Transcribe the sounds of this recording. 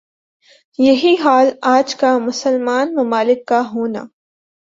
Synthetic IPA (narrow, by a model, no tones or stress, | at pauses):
jɐɦiɦaːlaːd͡ʒkamʊsəlmaːnmɐmaːlɪkːaɦoːna̰ː